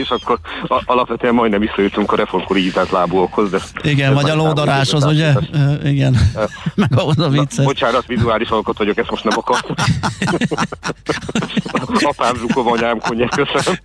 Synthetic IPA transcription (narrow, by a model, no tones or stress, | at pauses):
eːʃɒkːoɾɒlɒpʋɛt̪øːɛmːɒjd̪nɛmʋisːɒjut̪ːyŋkɒɾɛfo̞rmkoɾiizaːnt̪laːbuokhozd̪ɛiɡɛnvɒɟɒloːd̪ɒɾaːʃhozuɟɛøiɡɛnmɛɡɒɦozɒvit̪sːɛot͡ʃaːɾɒt̪ʋizuaːliʃɒlkɔt̪ʋɒɟo̞kɛst̪mo̞ʃt̪nɛmɒkɒrt̪uk | ɒpaːmzukovɒɲaːmkoɲːɛfkøsønøm